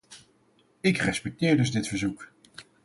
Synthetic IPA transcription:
ɪkrɛspɛk̚tɪːɹdɵzdɪtfəɹzuk

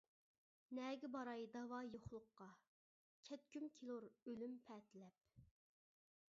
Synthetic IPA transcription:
nɛːɡʲɪbɑɾɑjd̪ɑwɑjoχlˠʊqːɑ | kʲʰɛt̪̚kʲymkʲʰilˠuɾølympʰɛːt̪ʰɪlɛp̚

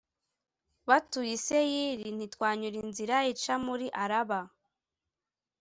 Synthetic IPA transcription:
βatujisejiɾin̥itwaːɲuɾinziɾait͡ʃamuɾiʔaɾaβa

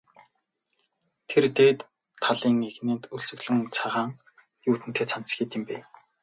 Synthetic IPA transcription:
t̪ʰert̪eːt̪ʰː | aɮiːŋeɣneːnt̪uɮt͡sɵ̆ɣɮɘ̆ŋt͡sʰaʁaːŋ | juːt̪ɘ̆nt̪ʰeːt͡sʰan̥t͡s̆xʲiːt̪ɪ̆mpeː

